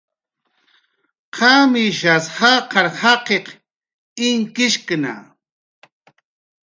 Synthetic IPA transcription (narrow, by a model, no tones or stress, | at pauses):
qʰamiʃashɑqɑɾhɑqeq | ɪŋkɪʃkna̰